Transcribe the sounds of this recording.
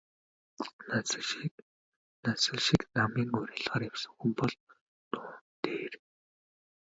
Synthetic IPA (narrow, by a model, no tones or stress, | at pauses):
nas̆ | nasə̆ɮʃiknamiːŋʊɾʲæ̆ːɮʁaːɾjawsə̆ŋxumpɔɮ | t̪ʊːnt̪eːr